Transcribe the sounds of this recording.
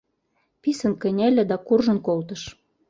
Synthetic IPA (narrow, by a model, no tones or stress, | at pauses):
pisə̆nkɘ̆nʲelʲɘ̆d̪ɑkurʒə̆nkolt̪ɤ̆ʃ